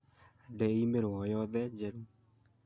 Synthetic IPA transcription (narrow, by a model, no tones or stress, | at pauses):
dɛimeɾoɔjɔðɛd͡ʒɛɾu